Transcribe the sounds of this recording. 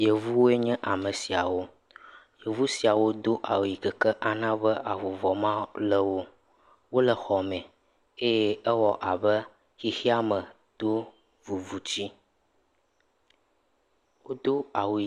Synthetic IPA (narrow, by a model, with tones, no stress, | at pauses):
je˨vu˦wo˦e˦ɲɛ̃˦ʔa˨mə˨si˨a˨wo˦ | je˨vu˦si˨a˨wo˦d̪o˦ʔa˨wu˨ji˨kə˨kə˦ʔa˨nã˦bə˦ʔa˨vu˨vɔ˨mã˦lə˦wo˦ | wo˦lə˨xɔ˨mɛ̃˨ | e˦je˦ə˦wɔ˨ʔa˨bə˦ | xi˦xi˦a˦mə˨ | d̪̥o˦ | vu˨vu˨t͡ɕi˦ | wo˦d̪o˦a˨wu˨